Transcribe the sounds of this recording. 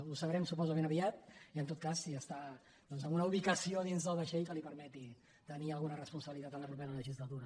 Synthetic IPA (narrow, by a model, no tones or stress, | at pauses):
usəβɾɛmsupɔzəmẽnəβiat̪̚iənt̪ot̪̚kasːiəst̪a | d̪ɔnzəmunəuβikəsioðinzðəlˠβəʃeʎkəlipəɾmɛt̪i | t̪əniəlˠɣunərəspunsəβilit̪at̪ənləpɾupeɾələʒizlət̪uɾə